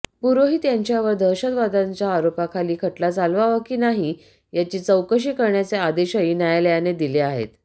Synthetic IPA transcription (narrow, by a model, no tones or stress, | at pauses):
puɾoɦiːt̪jaɲt͡ɕjaʋəɾd̪ʱəɕət̪ʋad̪ãɲt͡ɕjaːɾopakʰaliːkʰəʈlat͡salʋaʋəkiːnaɦiː | jat͡ɕiːt͡səwkəɕ̬iːkəɾɳjat͡sead̪eɕəjiːnjajaləjaned̪ileaɦḛt̪